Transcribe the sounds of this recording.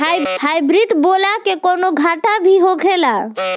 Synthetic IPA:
ajhajbɾiʈbolakekonoɡʱaʈabʱiɦoɡʱela

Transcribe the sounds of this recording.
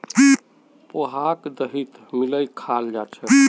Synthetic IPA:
poɦakd̪əɦit̪ | miləjkʰald͡ʒat͡ʃʰɛ

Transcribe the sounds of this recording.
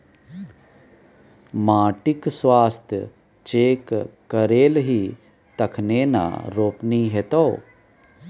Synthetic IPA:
maːʈɪksʋaːst̪ʰj | t͡ʃeːkkːəɾeːlɦiː | t̪ɐkʰneːna̰ɾoːpniɦeːt̪oː

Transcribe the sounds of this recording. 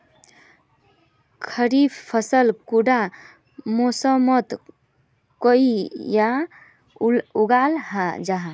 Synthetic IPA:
kʰəɾibpʰəsəlkuɖa | mosəmət̪ | koija | uɡalhad͡ʒaɦa

